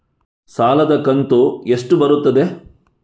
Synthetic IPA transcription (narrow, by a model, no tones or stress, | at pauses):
saːlɐd̪ɐkɐnt̪ueʂʈubɐɾut̪ːɐd̪e